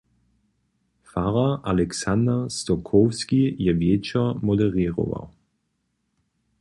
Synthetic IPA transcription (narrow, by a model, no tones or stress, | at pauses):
faʁaʔalɛksand̪ast̪ɔkʰɔfskijɛvjɛt͡ʃɛmɔd̪ɛʁiːʁɔ̰va̰w